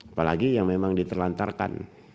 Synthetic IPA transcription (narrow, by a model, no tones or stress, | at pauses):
apalaɡijaŋmemaŋdit̪əlant̪a̰rka̰n